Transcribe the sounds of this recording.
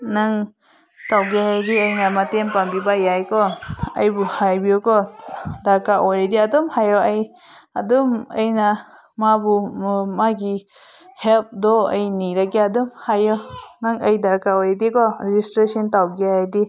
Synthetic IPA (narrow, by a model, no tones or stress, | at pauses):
naŋ | tawɡiɦajdiəjnamatempambibajajkɔəjbuhajbiɔkɔdaɾkaʔɔjɾediadɔmhajɔʔəjaduməjna | mabumaɡihelp̚dɔəjniɾakɛadumhajɔnaŋəjdaɾkaɔjɾedikɔɾed͡ʒistɾesɔntawɡiɦajdi